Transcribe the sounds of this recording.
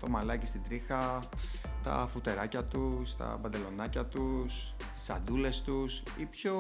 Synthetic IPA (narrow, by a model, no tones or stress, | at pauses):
t̪o̞mɐlɐcist̪id̪ɾixɐ | t̪ɐ̰fut̪e̞ɾɐcɐt̪ust̪ɐ̰pɐd̪e̞lo̞nɐcɐt̪us | i̥sɐ̰d̪ule̞st̪us | ipço̞